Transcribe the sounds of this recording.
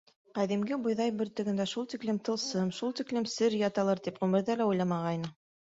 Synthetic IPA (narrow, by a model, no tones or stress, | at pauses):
qæðimɡɘbŏjðɑjbɵ̆ɾt̪ɵ̆ɡɘ̆nd̪æʃulˠt̪iklɘmt̪ɤ̆lˠsɤmʃulˠt̪iklɘmsɘɾjɑt̪ɑlˠɤɾt̪ipʁʉmɘ̆ɾðælæujlˠɑmɑʁɑjnɤ